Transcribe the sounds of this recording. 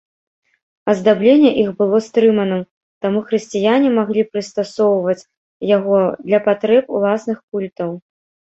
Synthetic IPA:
ɐzd̪ablʲenʲːɛʔixbɨlˠɔst̪ɾɨmɐnɨm | t̪amuxɾɨsʲt͡sʲijanʲimaɣlʲipɾɨst̪asɔwvɐt͡sʲ | jaɣɔd̪lʲɐpat̪ɾɛpṵlˠasnɨxkulʲt̪ɐw

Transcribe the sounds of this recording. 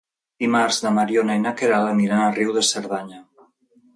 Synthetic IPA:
dimaɾzðamaɾjonainakeɾalamiɾanariwðeseɾðaɲa

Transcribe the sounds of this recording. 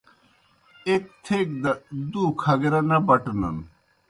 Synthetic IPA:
ek̚t̪ʰek̚d̪ɐd̪ukʰɐɡeɾɐnɐbɐʈɐnɐ̰n

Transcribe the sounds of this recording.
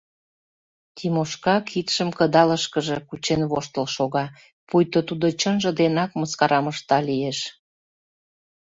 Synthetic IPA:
t̪imoʃkɑkʰit̪ʃəmkə̆d̪ɑləʃkəʒĕkut͡ɕenβoʃt̪əlʃoɣɑ | pujt̪ot̪ud̪ot͡ɕənʒə̆d̪enɑkməskɑɾɑməʃt̪ɑlieʃ

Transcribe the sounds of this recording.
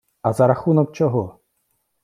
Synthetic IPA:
azaɾaxunɔk̚t͡ʃɔɦɔ

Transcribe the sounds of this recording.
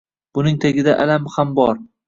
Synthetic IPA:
b̥ʊnɪŋt̪ʰaɡʲɪd̪aʔalamhambɒɾ

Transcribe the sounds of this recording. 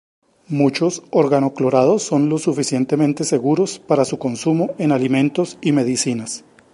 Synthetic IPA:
mut͡ʃo̞soɾɣanoklo̞ɾað̞o̞sːo̞nlo̞sːufisje̞nt̪e̞mẽnt̪e̞se̞ɣuɾo̞spaɾasuko̞nsumoʔe̞nalimẽ̞nt̪o̞sime̞ðisinas

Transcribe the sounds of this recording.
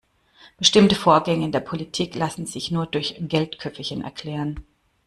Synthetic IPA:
b̥əʃtɪmtəfoːɐɡɛŋəɪndeːɐpʰolitʰiːklasn̩zɪçnuːɐdʊɐçɡ̥ɛltkʰœpfəçɪnʔɛ̰ɐkʰl̥ɛːʁən

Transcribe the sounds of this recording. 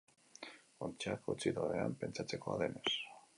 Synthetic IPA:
ont͡ʃakut͡siðoreampe̞nt͡sat͡se̞ko̞a̰ðe̞ne̞s

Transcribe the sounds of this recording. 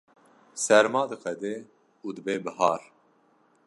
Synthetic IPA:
sɛɾmɑːd̪ɨqɛd̪eː | uːd̪ɨbeːbɨhɑːɾ

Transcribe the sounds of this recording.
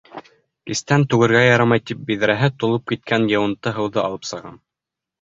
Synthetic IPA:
kist̪ænt̪ʉɡɘ̆ɾɡæjɑɾɑmɑjt̪ip̚bið̆ɾæɦɘt̪ŏlˠɤp̚kit̪̚kænjɤ̆wɤ̆nt̪ːɤɦɤ̆wðɤʔɑ̰lˠɤpsɤ̆ʁɑ̰n

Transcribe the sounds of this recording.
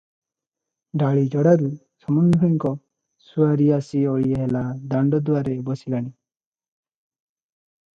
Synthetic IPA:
ɖaɭid͡ʒɔɽaɾu | sɔmɔnd̪ʱɔiŋkɔ | suaɾiasiɔɭieɦelad̪aɳɖɔd̪uwaɾebɔsilaɽ̃i

